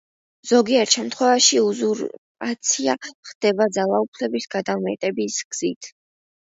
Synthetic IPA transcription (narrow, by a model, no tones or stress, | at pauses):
z̥ɔɡiɛɾt̪ʃɛmt̪ʰχwɛvaʃiuzuɾʼ | at̪sʰia̰χd̪̥ɛbad̪zalˠaupʰlɛbisɡ̥ad̪amɛt̪ʼɛbisɡ̥z̥it̪ʰ